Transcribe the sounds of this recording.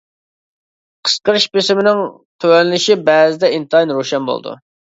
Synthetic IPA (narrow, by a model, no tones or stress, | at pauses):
qʰə̥sqəɾɨʃbesɪmɪnɪŋ | t̪ʰøwɛnɪlɪʃibɛːzɪd̪ɛint̪ɨɑjnɾoʃɛnbo̰l̰ˠd̪ṵ